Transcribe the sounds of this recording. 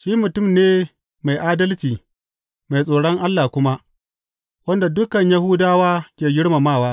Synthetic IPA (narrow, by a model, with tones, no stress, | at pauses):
ʃiː˦mʊ˨tʊ˦˨mneː˦ | ma˨jʔaː˦dɐ˦lt͡ʃiː˨ | ma˨jsʼoː˨ɽɔ˦ŋʔa˦lːa˨kʷʊ˦ma˦ | wɐ˦nda˨dʊ˦kɐ˨ɲjɐ˦hʊ˦daː˦waː˦kʲeː˨ɡʲɪ˦ɽma˨maː˦˨waː˦